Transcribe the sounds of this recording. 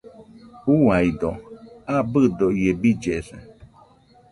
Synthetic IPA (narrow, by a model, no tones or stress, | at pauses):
uajd̪oabɨd̪oiebid͡ʒesḛ